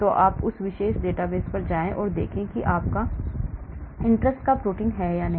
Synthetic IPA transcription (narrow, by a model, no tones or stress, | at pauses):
t̪oʔaːpʊsʋɪʃeːʃɖeːʈaʋeːzpɐɾd͡ʒaːẽʔɔːɾd̪ḛːkʰẽkiʔaːp̚ka | ɪ̃ɳʈɾəsʈkapɾoːʈɪ̃ŋɡɦɛːjanɐɦ